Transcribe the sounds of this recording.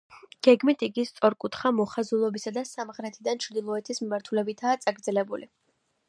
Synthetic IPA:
ɡ̥ɛɡmit̪ʰiɡist̪sʼɔɾkʼut̪ʰχamɔχazulˠɔbisad̪asamʁɾɛt̪ʰid̪ant͡ʃʰɾd̪ilˠɔɛt̪ʰismimaɾt̪ʰulɛbit̪ʰaːt̪sʼaɡɾd̪zɛlɛbulḭ

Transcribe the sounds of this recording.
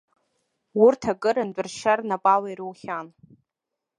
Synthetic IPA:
wʊrtʰakʼɨɾand͡ʒʷʼʊrʃarnapʼalaiɾɨwχʲan

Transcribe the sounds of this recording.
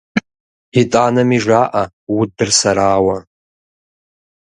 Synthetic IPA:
itʼanamiʐaʔa | wudɨrsaɾaːwa

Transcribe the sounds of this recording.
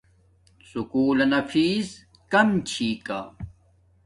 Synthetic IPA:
sukuːlɐnɐfiːz | kɐmt͡ɕʰiːka

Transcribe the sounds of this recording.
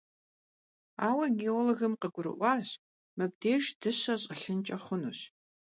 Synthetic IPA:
aːwɐɡeoloɣɨmqəɡʷʊɾɨ̰ʔʷɑːɕ | mɨb̚deːʒd̥ɨɕɐɕʼəɬɨnt͡ʃʼɐχʷʊnuɕ

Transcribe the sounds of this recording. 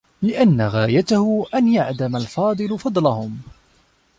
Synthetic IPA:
lɪʔanːaɣaːjat̪ahʊʔanjaʕd̪amalfɑːd̪ˤɨlʊfɑd̪ˤlɑhʊm

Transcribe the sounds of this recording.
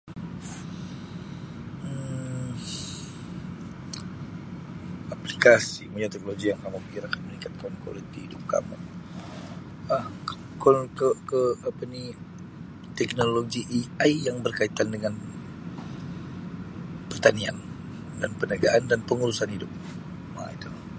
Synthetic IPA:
aplikasḭmuɲat̪ɛk̚noloɡijaŋkamubiɾakanmənĩŋkat̪̚kɔnko̰lit̪iidʊp̚ka̰mu | a | kɔnkəkəapani | t̪ɛk̚noloɡiʔiajjaŋbərkait̪andəŋan | pərt̪ania̰n | danpənəɡaʔandanpəŋuɾusanhidʊp̚ | ma̰it̪u

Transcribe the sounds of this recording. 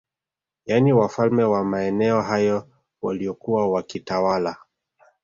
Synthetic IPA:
janiwafalmɛwamaɛnɛɔɦajɔ | waliɔkuwawakitawala

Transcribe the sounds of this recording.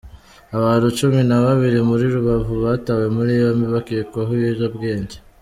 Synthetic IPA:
aβaːnhut͡ʃuminaβaβiɾimuɾiɾuβavuβatawe̞muɾiβomiβakikoɦujeʒobɡeːɲɟe

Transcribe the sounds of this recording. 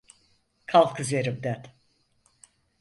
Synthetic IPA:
kʰalˠkʰɨzeɾɨbd̪æt̪

